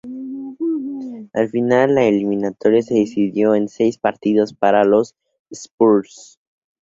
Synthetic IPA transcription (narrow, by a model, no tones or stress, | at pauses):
alfinalːaelimĩnat̪o̞ɾjase̞ðisiðjo̞e̞nse̞jspaɾt̪iðo̞spaɾalo̞s | espuɾs